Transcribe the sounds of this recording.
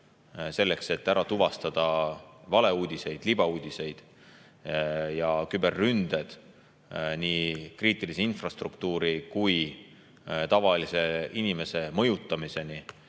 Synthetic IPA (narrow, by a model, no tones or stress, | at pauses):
se̞lːe̞kse̞t̪ːæɾɑt̪uvɑst̪ɑd̪̥ɑvɑle̞uːd̪̥ʲise̞jd̪̥lib̥ɑuːd̪̥ʲise̞jd̪̥ | jɑkybe̞rːynd̪̥ed̪̥ | niːkriːt̪ːˑiliseinfrɑst̪rukt̪uːɾikuj | t̪ɑvɑlise̞inime̞se̞mɤ̞jut̪ːˑɑmise̞ni